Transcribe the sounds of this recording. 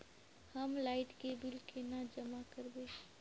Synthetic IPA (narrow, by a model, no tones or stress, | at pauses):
həmlaɪʈkebilkenad͡ʒəmakəɾbe